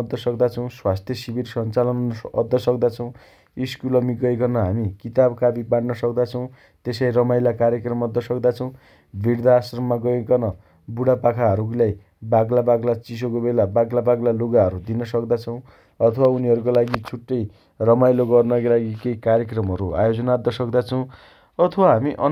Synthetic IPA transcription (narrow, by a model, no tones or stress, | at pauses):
d̪ʱːʌsʌkd̪at͡sʰʌw̃swast̪ʰjʌsibirsʌnt͡salʌnʌd̪ːʌsʌkd̪at͡sʰʌw̃ | iskulʌmiɡʌekʌnʌɦamikit̪abkabibaɽnʌsʌk̚d̪at͡sʰʌw̃ | t̪esajɾʌmajlakaɾjʌkrʌmʌd̪ːʌsʌkd̪at͡sʰʌw̃ | bʱiɽd̪ʱaːsrʌmːaɡʌekʌnʌ | buɽapakʰaɦʌɾuklaj | baɡlabaɡlat͡sis̬okobelabaɡlabaɡlaloɡaɦʌɾud̪inʌsʌkd̪at͡sʰʌw̃ | ʌt̪ʰʌwauniɦʌɾukolaɡit͡sʰuʈːʌj | rʌmajloɡʌrnʌkalaɡikeikaɾjekrʌmɦʌɾua̰jod͡zʌnad̪ʌsʌkd̪at͡sʰʌw̃ | ʌt̪ʰʌwaɦamiʔʌ